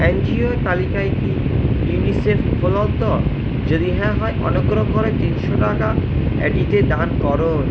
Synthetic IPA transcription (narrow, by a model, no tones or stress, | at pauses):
end͡ʑioet̪alikaekijunisefʰfʰolɔlt̪ɔ | d͡ʑod̪iɦɛaɦɔeʔɔ̰neɡɾokoɾet̪inʃoʈaka | ḛɖiʈed̪ankɔɾon